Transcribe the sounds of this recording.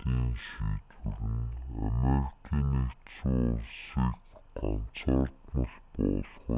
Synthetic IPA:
iːŋʃiːt̪wɘ̆ɾɘ̆nameɾikʰiːnet͡suʊwsiːkɢan̥t͡saːrt̪mʊɮpɔːɮχ

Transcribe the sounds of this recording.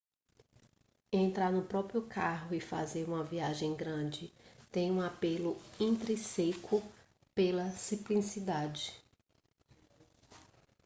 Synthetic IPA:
ẽnt̪ɾaɾnʊpɾɔpɾjʊkʰaɦʊɪfa̰zeɾũmɐviaʒẽj̃ɡɾɐ̃d͡ʒɪt̪ẽj̃ũapelʊĩnt̪ɾĩsekʰʊ | pelɐsiplĩsid̪ad͡ʒɪ

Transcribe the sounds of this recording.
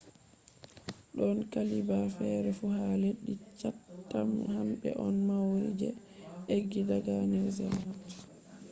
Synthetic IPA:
ɗɔnkalibafɛɾɛfuhaleɗːit͡ʃatːamhamɓɛ̰ʔɔnmawɾḭd͡ʒɛ̰ | eɡːidaɡaniɾzɛma

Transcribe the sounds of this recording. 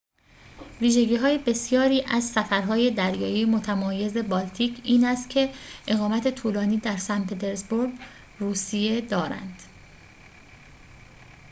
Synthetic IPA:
viːʒe̞ɟiːɦɒːje̞be̞sjɒːɾiːʔæzsæfæɾɦɒːje̞d̪æɾjɒːjijmo̞t̪ʰæmɒːje̞ze̞bɒːlt̪ʰiːcʰiːnæst̪cʰe̞ʔe̞ɣɒːmæt̪ʰe̞t̪ʰuːlɒːniːd̪æɾsænpʰe̞t̪ʰe̞ɾzboɾɡ | ruːsije̞d̪ɒːɾæ̰nd̪̥

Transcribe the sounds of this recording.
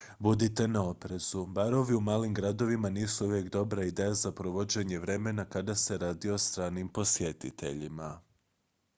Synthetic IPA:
bud̪it̪e̞nao̞pɾe̞z̥ubaɾo̞ʋiumaːlimɡɾad̪o̞ʋimaniːsuuʋje̞kd̪o̞bɾaid̪eːjazapɾoʋo̞d͡ʑe̞ɲe̞ʋɾe̞me̞nakad̪ase̞ɾaːd̪io̞st̪ɾaːnimpo̞sje̞t̪it̪ʰe̞̰ʎima

